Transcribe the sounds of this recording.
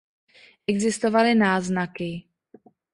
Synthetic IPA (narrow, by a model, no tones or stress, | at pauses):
ʔɛɡzɪst̪ovalɪnaːznakɪ